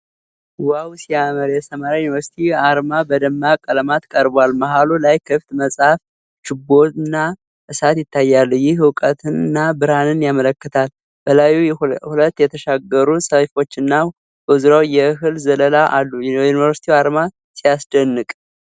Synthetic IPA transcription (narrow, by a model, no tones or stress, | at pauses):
wawsiaməɾjɛsəmaɾjajunivəɾsi̥t̪ʰiaɾmabəd̪əmːakʼələmat̪kʼəɾbwalmaɦalulajkʰɨft̪məsʼhaf | ʃɪbo̞t̪ɨnːa | ʔɨsat̪jɪt̪ːajːalːujɪhwʊkʼət̪ʰɨnɨnːabɨɾanɨnjamələkːət̪ʰal | b̥əlajuhulət̪ːjɛt̪ʰəʃaɡəɾusəfo̞t͡ʃːɨnːa | ʔɨzɾawjɛɦɨlzələlaʔalːujunivəɾsit̪ʰiaɾma | sijasd̪ənːɨkʼ